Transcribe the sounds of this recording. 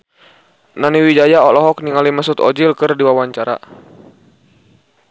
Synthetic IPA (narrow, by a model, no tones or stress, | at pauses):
naniwid͡ʒajaɔlɔɦɔk̚niŋalimasut̪ɔ̰d͡ʒilkɨrdiwawaɲt͡ʃaɾa̰